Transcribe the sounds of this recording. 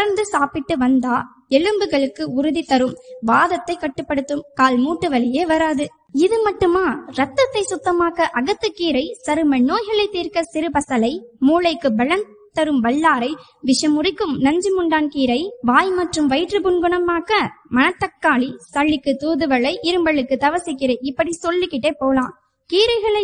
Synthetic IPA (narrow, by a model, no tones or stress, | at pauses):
ɐɾnd̪ɯsaːpɪʈːɯʋɐnd̪aː | ɛɻɯmbɯɣɐɭɯkːɯʊɾɯðit̪ɐɾɯmʋaːðɐt̪ːɐɪkːɐʈːɯpːɐɽɯt̪ːɯmkaːlmuːʈːɯʋɐɭɪjeːʋɐɾaːðɯ | ɪðɯmɐʈːɯmaːɾɐt̪ːɐt̪ːɐɪsʊt̪ːɐmaːɣɐʔɐɣɐt̪ːɯkːiːɾɐɪsɐɾɯmɐnːoːjɣɐɭɐɪt̪ːiːɾkɐsɪɾɯpɐsɐlɐɪmuːlɐɪkːɯbɐɭɐn | t̪ɐɾɯmʋɐɭːaːɾɐɪ | ʋɪʂɐmʊrɪkːɯmnɐɲd͡ʒɯmɯɳɖaːnkiːɾɐɪʋaːjmɐʈrɯmʋɐɪʈrɯpʊnɡɯɳɐmaːkɐmɐnɐt̪ːɐkːaːlisɐɭːɪkːɯt̪uːðɯʋɐɭɐɪʔɪɾɯmbɐɭːɯkːɯt̪ɐʋɐsɪkːɪɾeːɪpːɐɽisɔlːɯkːɪʈːeːpoːlãː | kiːɾɐɪɣɐɭɐɪ